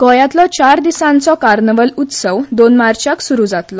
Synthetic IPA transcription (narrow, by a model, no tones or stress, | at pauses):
kɔjat̪lɔt͡ɕaɾd̪isãnt͡sɔkaɾnəʋəlut̪səwd̪onmaɾt͡ɕaksuɾud͡zat̪lɔ